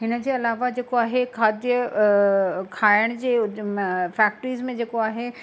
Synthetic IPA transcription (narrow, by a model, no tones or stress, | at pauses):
ɦɪnəd͡ʑeɐlaːʋad͡ʑeːkoaːɦekʰaːd̪jə | kʰaːəɽ̃d͡ʑe | fɛːk̚ʈɾiːzmẽd͡ʑeːkoaːɦe